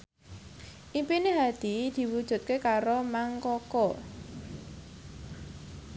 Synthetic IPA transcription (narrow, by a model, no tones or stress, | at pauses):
ʔimpineɦad̪̥id̪̥i̤wud̥ʒ̥ṳt̪̚kekaɾomaŋkɔkɔ